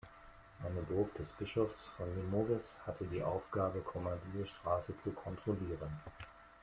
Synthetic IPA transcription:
ʔaɪnəbʊɐkd̥ɛsb̥ɪʃɔfsfɔnlimoɡəshatʰədiːʔaʊfɡ̥aːbəkʰɔmandiəʃtʁ̥aːsət͡sukʰɔntʁ̥oliːʁən

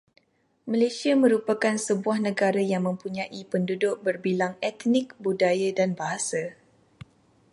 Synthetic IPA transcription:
malesiamə̃ɾupakansəbuahnə̃ɡaɾajaŋmə̃mpuɲãʔipəndudʊk̚bərbilaŋɛt̪nɪk̚budajadanbaɦasa

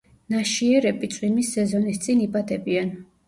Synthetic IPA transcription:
naʃiɛɾɛbit̪sʼwimisːɛzɔnist̪sʼinibʼad̪ɛbian

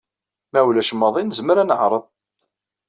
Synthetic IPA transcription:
mæwlæʃəmːɑðˤinəzməɾænəʕɾˤəðˤ

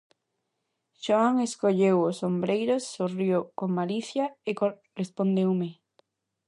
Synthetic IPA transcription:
ʃoaŋeskoʎewʊsombɾejɾosːorjowkoŋmaliθjɐeko | respond̪ewmɪ

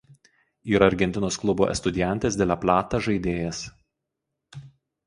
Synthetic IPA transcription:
iːɾɐɐɾʲɡʲɛnʲt̪ʲɪnoːsklˠʊbo̰ːʔɛ̰st̪ʊd̪ʲɪjɛnʲt̪ʲeːsd̪ʲeːlʲæplʲæːt̪ɐʒɐɪd̪ʲeːjɛs

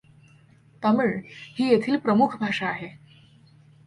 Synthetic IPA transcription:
t̪əmiːɭhiːjet̪ʰiːlpɾəmukʰbʱaʂaːɦe

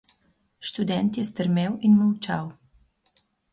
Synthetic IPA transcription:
ʃt̪ud̪ɛnt̪jɛst̪əɾmewinmawt͡ʃaw

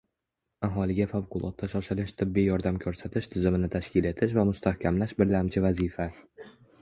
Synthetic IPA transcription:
aɦɒlɪɡʲafawqʰʊlˠɒ̰t̪ːaʃɒʃɪlɪʃt̪ʰɪbːijjɒɾd̪amkʲʰɵɾsat̪ʰɪʃt̪ʰɪzɪmɪnɪt̪ʰaʃkʲʰɪle̞t̪ʰɪʃvamʊst̪ʰahkʲʰamlaʃbɪɾlamt͡ʃʰɪvazifa

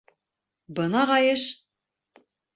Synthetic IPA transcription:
bɤ̆nɑʁɑjɤʃ

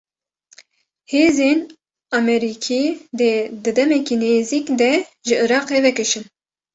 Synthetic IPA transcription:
heːzeːn | ɑmɛɾikʰiːd̪ɛd̪ɨd̪ɛmɛkiːneːziːkd̪ɛʒɨɨɾɑːqeːvɛkɨʃɨn

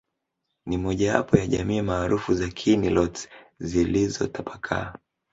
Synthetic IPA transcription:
nimɔʄawa̰pɔjaʄamiːmaːɾufuzakʰinilɔtzilizɔ̰tapʰakʰa̰ː

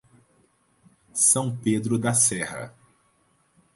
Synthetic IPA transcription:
sɐ̃w̃ped̪ɾʊd̪ɐsɛhɐ̰

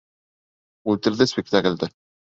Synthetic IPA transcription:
ʉlʲt̪ɘ̆ɾðɘspʲɪk̚t̪akɘ̆lʲd̪ɘ

